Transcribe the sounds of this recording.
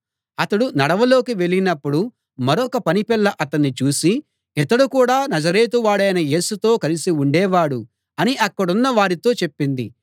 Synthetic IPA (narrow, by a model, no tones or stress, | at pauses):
ɐt̪ɐɽunɐɽɐʋɐlo̞ːkiʋe̞ɭinɐpːuɽu | mɐɾɔkɐpɐnipɛɭːɐʔɐt̪ɐnːit͡ʃuːsi | ɛt̪ɐɽukuːɽaːnɐd͡ʒɐɾeːt̪̬uʋaːɽɐjnɐje̞ːsut̪o̞ːkɐlisiuɳɖɛːʋaːɽu | ɐniʔɐkːɐɽunːɐʋaːɾit̪o̞ːt͡ʃe̞pːind̪ḭ